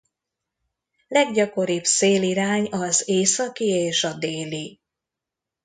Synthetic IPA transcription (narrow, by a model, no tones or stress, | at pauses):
lɛɡɟɒko̞ɾibseːliɾaːɲɒzeːsɒkieːʃɒd̪eːli